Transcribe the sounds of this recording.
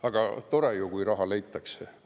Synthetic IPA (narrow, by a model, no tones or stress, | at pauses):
ɑɡ̥ɑt̪o̞ɾejukujrɑɦɑlejt̪ːˑɑkse